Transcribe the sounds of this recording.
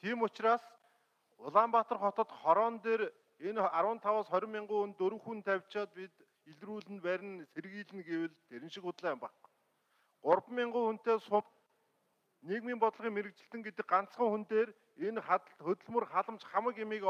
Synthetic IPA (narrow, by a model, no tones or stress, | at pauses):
t̪ʰiːmʊt͡ɕraːs | ʊɮaːmpat̪ə̆rχɔt̪ɞ̆t̪χɔɾɔːnt̪eːɾ | enaɾwə̆ːnt̪ʰawaːsχɔɾʲɪ̆mːiɴɢʊːunt̪ɵɾɵ̆ŋxunt̪ʰæwʲt͡ɕɔːt̪̚pit̪ | iɮruːɮɘ̆npæːɾʲɪ̆nserɣiːɮɘ̆nɡewɘ̆ɮt̪ʰːeɾɪ̆nʃɪ̆kʊt̪ɮæːmpaq | ɢʊrpmːɪɴɢʊːxun̥t̪eːsʊt̪ | neːkmiːmpɔt̪ɮʁiːŋmeɾɘ̆k̚t͡ɕɪ̆ɬt̪ɘ̆ŋɡet̪ɘ̆k̚ɢan̥t͡sχə̆ŋxunt̪eːr | enχaxɵt̪ɵ̆ɮmɵ̆rχaɮə̆mt͡ɕχamə̆kɪmiːk